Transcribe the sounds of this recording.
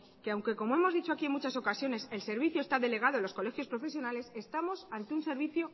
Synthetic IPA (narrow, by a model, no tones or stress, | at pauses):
ke̞awŋke̞ko̞moe̞mo̞zðit͡ʃo̞akiemut͡ʃaso̞kasjo̞ne̞se̞lse̞ɾβ̞iθjoe̞st̪aðe̞le̞ɣ̞aðoelo̞sko̞le̞xjo̞spɾo̞fe̞sjo̞nale̞se̞st̪amo̞sant̪eunse̞ɾβiθjo̞